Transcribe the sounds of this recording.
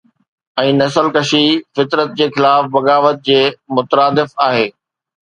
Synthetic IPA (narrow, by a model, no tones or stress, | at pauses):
ɛ̃ːnɐsəlkɐʃifɪt̪ɾət̪̚d͡ʑeːxɪlaːfbɐɣaːʋət̪̚d͡ʑeːmʊt̪əɾaːd̪ɪfaːɦeː